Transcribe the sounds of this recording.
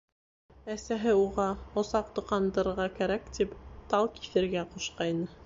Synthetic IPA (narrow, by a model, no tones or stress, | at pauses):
æsæɦɘuʁɑŏsɑqt̪ŏqɑnd̪ɤ̆ɾɤ̆ɾʁɑkæɾækt̪ipt̪ɑlˠki̥θɘ̆ɾɡæquʃqɑjnɤ